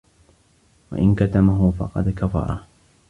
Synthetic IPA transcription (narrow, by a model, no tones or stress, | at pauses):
wa̰ʔɪnkat̪amaɦʊfɑ̰qɑd̪kafɑ̰ɾˤɑ